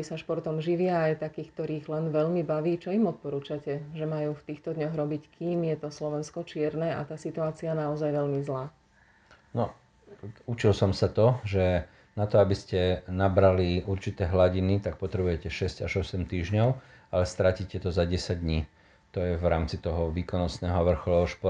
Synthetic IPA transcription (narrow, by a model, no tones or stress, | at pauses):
isaʃpɔɾt̪ɔmʒiʋɪaːjt̪akiːxk̚t̪ɔɾiːɣlɛnʋɛʎmibaʋiːt͡ʃɔimɔt̪̚pɔɾuːt͡ʃacɛʒɛmajuːft̪iːxt̪ɔd̪ɲɔɣɾɔbickʰiːmjɛt̪ɔslɔʋɛnskɔt͡ʃɪɛɾnɛʔa̰t̪aːsit̪uaːt͡sianaɔzajʋɛʎmizlaː | nɔ | ut͡ʃilsɔmsat̪ɔʒɛ | nat̪ɔabiscɛnabɾaliuɾt͡ʃit̪ɛːɦlaɟinit̪ak̚pɔt̪ɾɛbujɛcɛʃɛsɟaʒɔsɛmt̪iːʒɲɔʊ | alɛst̪ɾaciːcɛt̪ɔzaɟɛsaɟ̚d̪ɲiː | t̪ɔjɛvɾaːmt͡sit̪ɔɦɔʋiːkɔnɔsnɛːɦɔʋr̩xɔlɔɦɔʃpɔ